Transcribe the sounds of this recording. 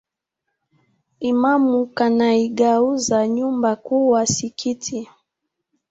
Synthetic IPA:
imamukanaiɡauzaɲumbakuwasikʰitʰi

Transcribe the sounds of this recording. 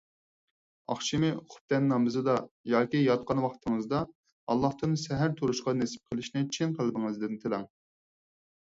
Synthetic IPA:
ɑ̰χʃimɪχʰʊ̥p̚t̪ɛnːɑmɨzɨd̪ɑjɑːkʲijɑt̪̚qɑnwɑχt̪ʰɨŋɨzd̪ɑ | ɑlˠːɑht̪ɨnsɛɦæɾt̪ʰuɾuʃqɑnesɪ̥p̚qʰəlˠɪʃnɪt͡ʃʰinqʰəlˠɨbɪŋɨzd̪ɪnt̪ʰelɑŋ

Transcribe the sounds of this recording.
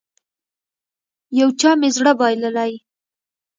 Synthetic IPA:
jawt͡ʃɑmezɽabɑjləlaj

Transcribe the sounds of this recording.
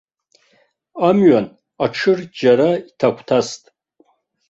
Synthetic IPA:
amɥan | aʈ͡ʂʰɨrd͡ʒaɾaitʰakʷʰtʰastʼ

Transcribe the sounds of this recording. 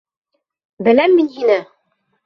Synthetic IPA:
bɘ̆læmːininɘ

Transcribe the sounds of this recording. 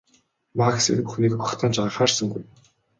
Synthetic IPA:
maxsɘ̰npuxniːkpɔχt̪ʰaːnt͡ɕaχaːrsə̆ŋɡuj

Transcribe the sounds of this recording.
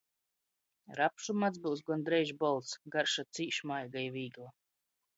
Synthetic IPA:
ɾapʃumat̪zbuws̬ɡɔnd̪ɾɛjʒbɔlˠt̪sɡaɾʃat̪siːʃmajɡajviːɡlˠa

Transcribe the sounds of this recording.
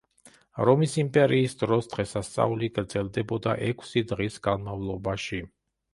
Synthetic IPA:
ɾɔmisimpʼɛɾiːsd̪ɾɔsd̪̥ʁɛsast̪sʼa̰uliɡɾd̪zɛlˠd̪ɛbɔd̪aʔɛkʰsid̪ʁisɡanmavlˠɔbaʃi

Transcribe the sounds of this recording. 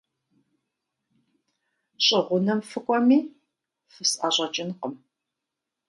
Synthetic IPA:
ɕʼɪʁʷʊnɐmfɨkʷʼɔmiː | fɨsʔaːɕʷʼɐt͡ʃʼɪnqəm

